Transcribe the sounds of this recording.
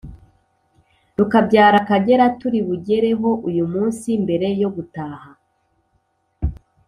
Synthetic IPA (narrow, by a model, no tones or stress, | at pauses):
ɾukabɟaːɾakaɟe̞ɾatuɾiβuɟe̞ɾe̞ɦo̞ʔujumuːnsimbe̞ɾe̞jo̞ɡutaːha